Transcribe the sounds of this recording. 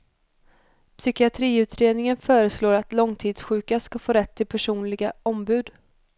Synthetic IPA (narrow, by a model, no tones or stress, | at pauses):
pʰsʏkɪat̪ʰɾiːʉ̟ːt̪ʰɾeːd̪nɪŋənfœːɾəsloːɾat̪lɔŋt̪ʰiːd̪sɧʉ̟ːkaskafoːɾɛt̪ʰːɪlpʰæʂuːnlɪɡaʔɔmbʉ̟ːd̪